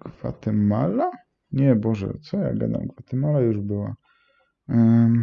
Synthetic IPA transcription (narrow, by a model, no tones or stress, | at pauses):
ɡ̥va̰t̪ɛmala | ɲɛbɔʐɛ̰t̪sɔja̰ɡad̪a̰mɡvat̪ɛmalajuʐbɘwa̰